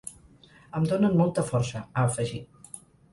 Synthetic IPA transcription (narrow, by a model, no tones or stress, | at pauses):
əmd̪onənmɔlˠt̪əfɔɾsəəːfəʒit̪